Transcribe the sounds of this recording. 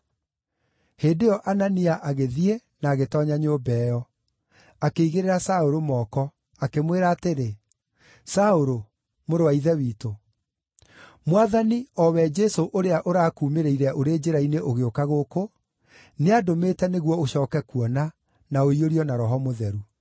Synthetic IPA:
heːdeɔʔananiaʔaɣeðienaːɣetɔɲaɲoːbɛːjɔ | akeiɣeɾeɾasaoɾomɔːkɔ | akemweɾaːteɾe | saoɾo | moɾoaiðɛwiːto | mwaðaniɔwɛd͡ʒɛsoʔoɾeaʔoɾaːkuːmeɾeiɾɛʔoɾed͡ʒeɾaineʔoɣeokaɣoko | neadometɛneɣwɔoɕɔːkɛkuɔna | naoioɾiɔnaɾɔɦɔmoðɛɾu

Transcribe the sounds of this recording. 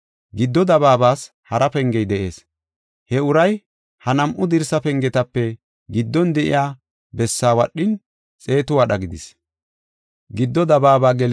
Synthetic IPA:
ɡɪd̪ːɔd̪ɐβaːbaːs | hɐɾɐpɛŋɡɛjd̪ɛʔeːs | hɛʊɾɐj | hɐnɐmʔʊd̪ɪɾsɐpɛŋɡɛt̪ɐpːɛ | ɡɪd̪ːɔnd̪ɛʔɪ̰jaː | bɛsːaːwɐɗːɪn | t͡sʼe̞ːt̪ʊwɐɗɐɡɪd̪ɪs | ɡɪd̪ːɔd̪ɐbaːbaːɡɛl

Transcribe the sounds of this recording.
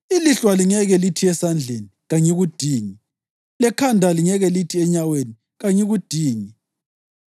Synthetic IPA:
iliɬwaliŋɛɣɛlitʰiɛsand͡ɮʱeniɣaɲɛɣud̥ʱiːŋi | lɛkʰandʱaliŋɛɣɛlitʰiɛɲaweni | ɣaɲɛɣud̥ʱiːŋi

